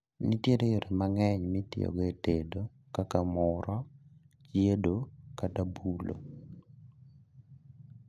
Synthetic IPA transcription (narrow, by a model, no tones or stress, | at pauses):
nitjedejoɾemaŋɛɲmɪtḭo̰ɡetedo | kakamʊɾɔ | t͡ʃjedokatabulo̰